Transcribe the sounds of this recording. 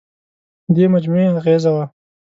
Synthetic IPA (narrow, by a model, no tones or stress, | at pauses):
d̪emad͡ʒmueaɣezawa